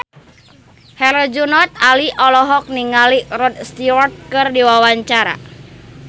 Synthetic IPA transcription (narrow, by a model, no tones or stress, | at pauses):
hɛlɔd͡ʒunɔt̪̚aliʔɔlɔɦɔk̚niŋalirɔd̪̚st̪iwɔrt̪̚kɨrdiwawaɲt͡ʃaɾa̰